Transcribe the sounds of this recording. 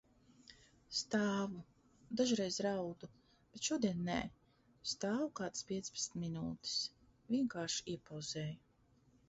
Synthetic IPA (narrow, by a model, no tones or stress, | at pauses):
st̪aːvu | d̪aʒɾɛjzɾawd̪u | b̥et̪ʃuɔd̪iɛnːɛ̰ː | st̪aːvukaːd̪spʲiɛt̪sʲpe̥tsnminuːt̪i̥s | vʲiɛŋkaːɾʃi̥iɛpawz̥ɛːju